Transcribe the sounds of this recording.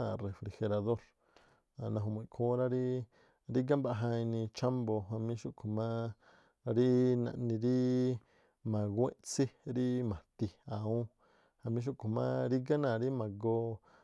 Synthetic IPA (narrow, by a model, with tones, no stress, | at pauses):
a˧˨re˨fɾi˧xe˧ɾa˧ðo˦ɾ | a˨nã˧ɦo˧mũ˨ĩ˨kʰõː˧˦ɾa˦ɾi˦ | ɾi˦ɡa˦mba˧ʔɦã˧ĩ˧nĩ˧t͡ʃa˦mbo˧ɦã˧mĩ˧˦ʃu˦ʔkʰo˨mã˦ | ɾi˦nã̰˧ʔnĩ˧ɾi˦ | mã˨ɡwʷḛ̃˦ʔt͡si˦ɾi˦mã˨t̪i˧a˨ũ˦ | hã˧mĩ˦ʃ̬u˦ʔkʰõ˨mã̰˦ɾi˦ɡa˦nã˧˨ɾi˦mã˨ɡo˧